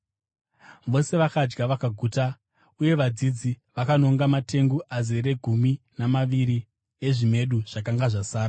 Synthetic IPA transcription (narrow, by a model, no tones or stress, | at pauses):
ʋo̞se̞ʋakad͡ʒɡaʋakaɡʱuːta | uje̞ʋad͡zid͡ziʋakanoŋɡamate̞ŋɡuʔazeɾe̞ɡʱumi | namaʋiɾi | e̞ʐime̞ɗuʐ̥ak̬aŋɡaʐasaːɾa